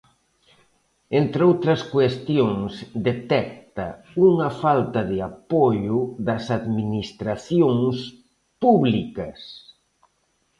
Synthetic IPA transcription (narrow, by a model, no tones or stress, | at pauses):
ent̪ɾowt̪ɾɐskwest̪joŋsd̪et̪ɛk̚t̪ɐ | uŋɐfalt̪ɐðɪapoʎʊðɐsaðminist̪ɾaθjoŋs | puβlikɐs